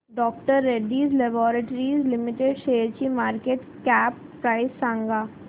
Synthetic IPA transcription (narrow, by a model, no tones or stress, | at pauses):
ɖɔːkʈəɾːeɖiːzlebɔːɾəʈɾiːzlɪmɪʈeɖʃeːɾt͡ʃimaːɾkeʈ | kɛːpːɾaːɪsːãːŋɡaː